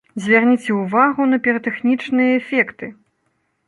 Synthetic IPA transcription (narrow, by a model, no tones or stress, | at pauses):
zʲvʲarnʲit͡sʲɛuvaɣunɐpʲɛɾɐt̪ɛxnʲit͡ʂnɨjɐɛfʲɛkt̪ɨ